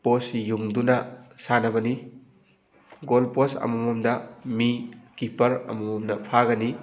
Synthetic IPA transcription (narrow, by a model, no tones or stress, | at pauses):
posjuŋdunɐsanɐbɐni | ɡolposɐ̰mumomdɐmikipɐɾɐ̰mumomnɐpʰaɡɐni